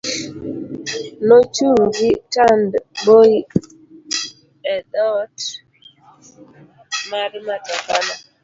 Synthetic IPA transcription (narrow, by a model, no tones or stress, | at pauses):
not͡ʃuɾitandboi | ɛdɔt | maɾɪmatabala